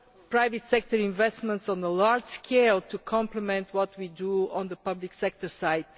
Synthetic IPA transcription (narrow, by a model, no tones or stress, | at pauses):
pɹaɪvɨtsɛk̚tə˞ĩɱvɛstmə̃ntsɔ̃nəlaɹd͡ʒskʰeɪlˠtʰukʰɔ̃mpləmɛ̃ntwɔt̚widuɔ̃nðəpʌbliksɛk̚tə˞saɪd̚